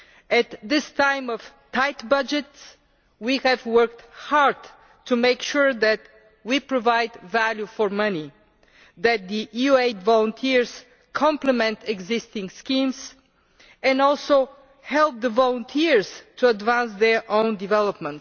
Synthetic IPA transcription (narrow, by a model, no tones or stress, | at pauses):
ɨt̪ðɪstʰãɪ̃mɔv̥ | t̪ʰaɪtbʌd͡ʒɨts | wihɨvwɜ˞k̚thaɹd | tʰumeɪkʃuɹðæt | wipɹɔvaɪdvæljufɔɹmʌni | ðæt̪̚d̪iʔjueɪdvɔlˠə̃nt̪ʰiɹz̥ | kʰɑ̃mpləmɛ̃nt̪ɛɡzɪst̪ɪ̃ŋskĩmz | ɛ̃nɔlˠsoʊ | hɛlˠp̚ðəvɔlˠə̃nt̪ʰiɹz̥tʰuədvæ̃nsðɛɹʔõʊ̃ndivɛləpmə̃nt